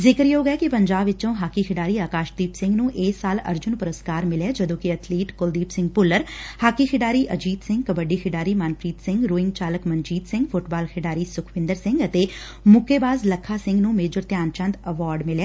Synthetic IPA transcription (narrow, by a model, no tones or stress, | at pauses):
zɪkəɾjeɦoːɡɛːkipəɲd͡ʒaːbʋɪt͡ʃõːɦaːkikʰɪɖaːɾiːaːkaːʃd̪iːpsɪ̃ŋɡnũːʔeːsːaːlə̰ɾd͡ʒʊnpʊɾəskaːɾmɪleːd͡ʒəd̪õːkiət̪ʰliːʈkold̪iːpsɪ̃ŋɡpʊlːəɾhaːkiːkʰɪɖaːɾiːʔəd͡ʒiːt̪sɪ̃ŋɡkəbəɖiːkʰɪɖaːɾiːmaːnpʰɾiːt̪sɪ̃ŋɡɾoːɪ̃ŋɡt͡ʃaːləkməɲd͡ʒiːt̪sɪ̃ŋɡpʰʊʈbaːlkʰɪɖaːɾiːsʊkʰʋɪ̃nd̪əɾsɪ̃ŋɡət̪eː | mʊkːeːbaːzləkʰːaːsɪ̃ŋɡnũːmeːd͡ʒəɾt̪jaːnt͡ʃə̃nd̪əʋaːɾɖmɪleː